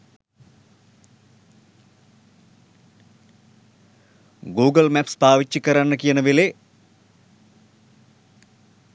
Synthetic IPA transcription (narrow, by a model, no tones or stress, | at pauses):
ɡuːɡəlmæpspaːʋit͡ʃːikəɾanːəkijənəʋele